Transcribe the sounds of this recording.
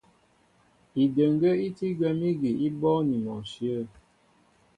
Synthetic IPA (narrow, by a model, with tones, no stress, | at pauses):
i˨də˨ŋɡə˦i˦ti˦ɡwɛ˦mi˦ɡi˨i˦bɔ˦ni˨mɔ˨sjə˦˨